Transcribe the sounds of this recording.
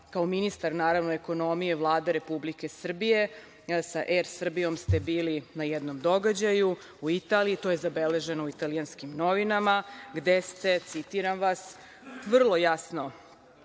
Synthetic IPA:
kaominist̪aɾnaːɾaʋnoeko̞no̞mije̞vlˠaːd̪eɾe̞publike̞sr̩bije̞ | saʔeɾsr̩bijo̞mst̪e̞biːlinajɛd̪no̞md̪o̞ɡad͡ʑaju | uit̪aːlijit̪o̞je̞zabe̞le̞ʒe̞nouit̪alijanskimno̞ʋinamaɡd̪est̪e̞t̪sit̪iɾamʋas | ʋr̩lˠo̞jasno̞

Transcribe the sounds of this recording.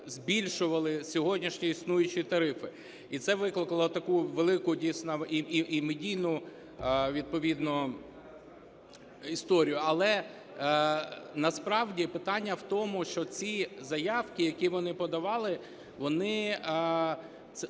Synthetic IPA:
zʲbʲilʲʃʊʋɐlˠɪsʲɔɦɔdʲnʲiʃnʲiisnujʊt͡ʃʲit̪ɐɾɪfɪ | it̪sɛʋɪklˠɪkɐlˠɔt̪ɐkuʋelˠɪkʊdʲijsʲnɔʔimedʲijnʊ | ʋʲid̪̚pɔʋʲid̪nɔ | ist̪ɔɾʲijʊɐlˠɛ | nɐspɾɑwdʲipɪt̪ɑnʲːɐwt̪ɔmʊʃt͡ʃɔt͡sʲizɐjɑwkɪjɐkʲiʋɔnɪpɔd̪ɐʋɑlˠɪ | ʋɔnɪ | ɛ

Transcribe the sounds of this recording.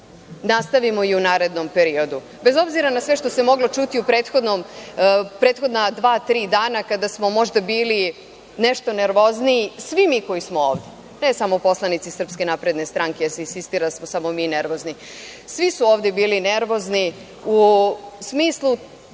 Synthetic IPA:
nast̪aʋimo̞iunaːɾe̞d̪nompe̞ɾio̞d̪u | be̞zo̞bziɾanasʋeʃt̪o̞se̞mo̞ɡlo̞t͡ʃut̪iupɾe̞ːt̪xo̞d̪nom | pɾeːt̪xo̞d̪nad̪ʋaːt̪ɾiːd̪aːnakad̪asmo̞mo̞ʒd̪abiːli | ne̞ʃt̪o̞ne̞ɾʋo̞zniisʋimiːko̞jismooːʋd̪e | ne̞samoupo̞slˠanit̪sisr̩pske̞napɾe̞d̪ne̞st̪ɾaŋkeasesist̪iɾasmosamo̞mine̞ɾʋo̞zni | sʋisuoːʋd̪ebiːline̞ɾʋo̞zni | usmiːslˠu

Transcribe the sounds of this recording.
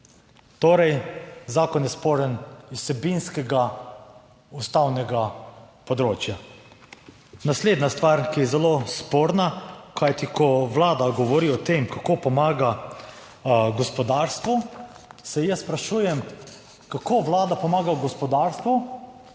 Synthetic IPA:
t̪oːɾɛjzaːkɔnjɛspoːɾɛnissɛbinskɛɡa | ust̪awnɛɡapɔd̪ɾoːt͡ʃja | nasleːd̪nast̪ʋaːɾkijɛzɛlospoːɾnakʰajt̪ikʰɔʋlaːd̪aɡɔʋɔɾiɔt̪emkakoːpɔmaːɡa | ɡɔspɔd̪aːɾst̪ʋu | sɛjɛspɾaʃuːjɛm | kakoːʋlaːd̪apɔmaːɡaɡɔspɔd̪aːɾst̪ʋu

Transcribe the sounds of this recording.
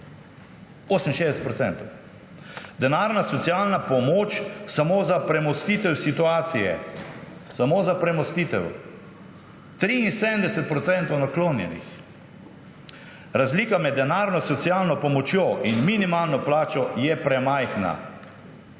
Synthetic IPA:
oːsəmin̩ʃeːd̪ɛsɛt̪pɾɔtsɛ̰̃nt̪ɔw | d̪ɛnaːɾnasɔt̪siaːlnapɔmoːt͡ʃsamoːzapɾɛmɔst̪iːt̪ɛwsit̪uaːt̪sijɛ̰ | samoːzapɾɛmɔst̪it̪ɛw | t̪ɾiinsed̪ənd̪ɛsɛt̪̚pɾɔt̪sɛnt̪ɔwnakloːnjɛ̰nḭx | ɾazliːkamɛd̪ːɛnaːɾnɔsɔt̪sijaːlnɔpɔmɔt͡ʃjoːʔinminimaːlnɔplaːt͡ʃɔjɛpɾɛmajxna̰

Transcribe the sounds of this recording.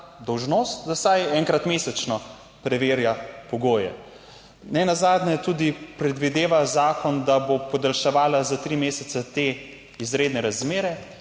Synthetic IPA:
d̪ɔwʒnoːst̪d̪asajɛŋkɾat̪meːsɛt͡ʃnɔ | pɾɛʋeːɾjapɔɡoːjɛ̰ | nɛnazaːd̪nɛt̪uːd̪ipɾɛd̪ʋid̪eːʋazaːkɔnd̪abopɔd̪alʃɛʋaːlazat̪ɾimeːsɛsɛt̪e | izɾeːd̪nɛɾazmeːɾɛ

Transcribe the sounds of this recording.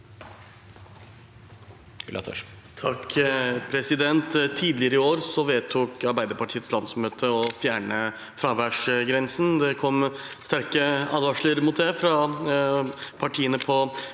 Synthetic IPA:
ɑ̰t̪ʰ | t̪ʰɑkpʰɾɛsɪd̪ɛnt̪t̪ʰiːd̪lɪəɾəɪoːɾsɔʋeːt̪ʰuːkɑɾbæɪd̪əɾpɑʈʰiːət̪slɑnd̪smøːt̪ʰəɔfjæːɳə | fɾɑːʋæʂɡɾɛnsn̩d̪ɛkʰɔmːst̪æɾkəɑːd̪ɑʂləɾmʊt̪̚d̪ɛfɾɑ | pʰɑʈʰiːənəpʰɔ

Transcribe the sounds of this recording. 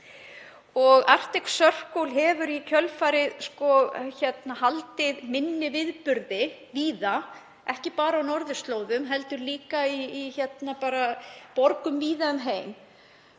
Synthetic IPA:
ɔɣa̰r̥t̪eksœr̥kowlɦɛvʏɾicʰœlfaːɾɪðskɔçɛt̪nahalt̪ɪðmɪnːɪvɪðpʏɾðɪ | viːða | ʔɛhcɪpaːɾaːwnɔɾðʏst̪loːwðʏmɦɛl̪t̪ʏɾliːkaiːçɛt̪napaːɾapɔɾkʏmviːðaʏmɦeːjm

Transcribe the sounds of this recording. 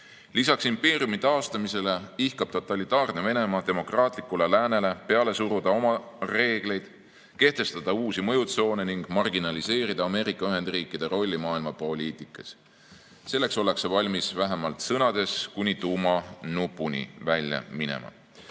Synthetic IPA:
lisɑksimpe̞ːɾiumit̪ɑost̪ɑmise̞le̞ihkɑb̥̚t̪o̞t̪ːˑɑlit̪ːˑɑːrneve̞ne̞mɑd̪̥e̞mo̞krɑːt̪ˑlikːule̞læːne̞le̞pe̞ɑle̞suɾud̪ɑo̞mɑ | re̞ːɡ̥le̞jd̪̥ | ke̞ht̪e̞st̪ɑd̪̥ɑuːsimɤ̞jut̪so̞ːne̞niŋɡ̥mɑrɡinɑlise̞ːɾid̪̥ɑɑme̞ːɾikːˑɑyɦe̞nd̪̥riːkːˑid̪̥e̞ɾo̞lʲːimɑːilmɑpo̞lʲiːt̪ˑikːˑɑs | se̞lːe̞kso̞le̞ksevɑlʲmisvæɦemɑlt̪sɤnɑd̪̥e̞skunʲit̪umɑnupːunʲḭvælʲjɑ̰minḛmɑ̰

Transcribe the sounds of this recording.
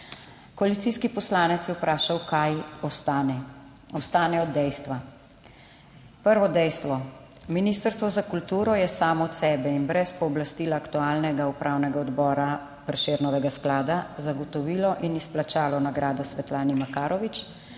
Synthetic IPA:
kɔalit̪siːskipɔslaːnɛt̪sjɛwpɾʔaːʃawkaj | ɔst̪aːnɛɔd̪ːɛjst̪ʋa | pəɾʋɔd̪ɛjst̪ʋɔ | miniːst̪əɾst̪ʋɔzakult̪uːɾɔjɛsaːmɔːt̪sɛːbɛinbɾɛspɔːblast̪iːlaːkt̪uaːlnɛɡaupɾʔaːwnɛɡaɔd̪bɔːɾa | pɾɛʃeːɾnɔʋɛɡasklaːd̪azaɡɔt̪ɔʋiːlɔʔinisplat͡ʃaːlɔnaɡɾaːd̪ɔsʋɛt̪laːnimakaːɾɔʋit͡ʃ

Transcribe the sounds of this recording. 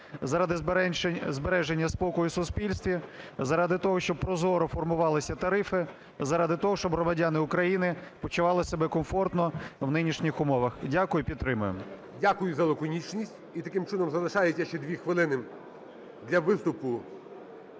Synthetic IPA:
zɐɾɑd̪ɪ | zbeɾɛʒenʲːɐspɔkɔjʊsʊspʲilʲsʲt̪ʲʋʲizɐɾɑd̪ɪt̪ɔɦɔʃt͡ʃɔb̚pːɾɔzɔɾɔfɔrmʊʋɑlˠɪsʲɐt̪ɐɾɪfɪ | zɐɾɑd̪ɪt̪ɔɦɔʃt͡ʃɔbɦɾɔmɐdʲanɪʊkɾɐjinɪpɔt͡ʃʊʋɑlˠɪsebɛkɔmfɔrt̪nɔwnɪnʲiʃnʲixʊmɔʋɐxdʲakʊjʊpʲid̪t̪t̪ːɾɪmʊjʊ̰m | dʲakʊjʊzɐlˠɔkɔnʲit͡ʃnʲisʲtʲit̪ɐkɪmt͡ʃɪnɔmzɐlˠɪʃɑjet͡sʲːɐʃt͡ʃɛd̪ʲʋʲixʋɪlˠɪnɪ | d̪lʲɐʋɪst̪ʊpʊ

